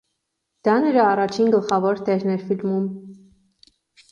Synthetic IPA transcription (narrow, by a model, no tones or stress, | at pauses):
d̪̥ɑnəɾɑːrɑt͡ʃʰinɡəlχɑvɔɾt̪ɛɾnɛɾfilmum